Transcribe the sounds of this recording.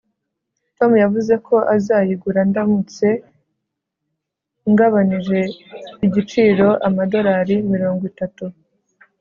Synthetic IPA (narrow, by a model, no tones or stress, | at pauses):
to̞mujavuze̞kʰo̞ʔazaːjiɡuɾandamut͡se̞ | ŋɡaβaniʒe̞iɟit͡ʃiːɾo̞ʔamado̞ɾaɾimiɾo̞ːŋɡwitatu